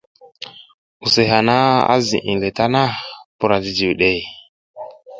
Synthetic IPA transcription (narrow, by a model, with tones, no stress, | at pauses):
u˨se˨ɦa˨na˦a̰˦zḭ˨ʔi˨le˨ta˦na˦pu˨ɾa˨ti˨d͡ʒi˨wɗe˦˨